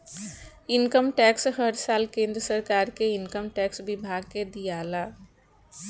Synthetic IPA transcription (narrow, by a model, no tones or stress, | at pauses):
ɪnkəmʈɛksɦəɾsaːlkẽːnd̪ɾəsəɾkaːɾkeɪnkəmʈɛːksbɪbʱaːɡ̚ked̪ijaːlaː